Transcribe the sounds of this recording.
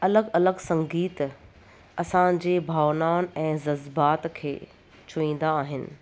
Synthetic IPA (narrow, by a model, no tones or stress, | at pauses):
ɐləɡɐləɡsɐ̃ŋɡiːt̪ | ɐsãd͡ʑeːbʱaːʋnaːnɛ̃ːzɐzbaːt̪kʰḛː | t͡ɕʰʊĩːn̆d̪aːɦɪnɪ̰̆